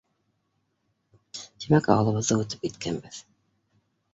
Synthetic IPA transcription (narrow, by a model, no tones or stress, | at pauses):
t̪imækɑ̰wɤlˠɤ̆βɤ̆ðɤut̪ɤ̥p̚it̪kʰæmbɘθ